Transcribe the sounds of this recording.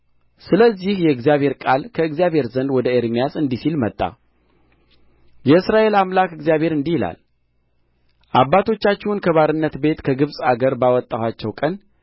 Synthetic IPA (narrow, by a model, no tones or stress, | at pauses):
sɨləzːihjɛɨɡzjaβhe̞ɾkʼalkʰəɨɡzijaβʱhe̞ɾzənd̪wɔd̪əeɾmijasɨnd̪isilmət̪ʼːa̰ | jɛɨsɾaʔe̞lamlakɨɡzijaβhe̞ɾɨnd̪ihila̰l | ʔabːat̪ʰo̞t͡ʃːat͡ʃːɛwnkʰəβaɾɨnːət̪be̞t̪kʰəɡɨβsʼaɡəɾbawɔt̪ʼːahat͡ʃːɛwkʼən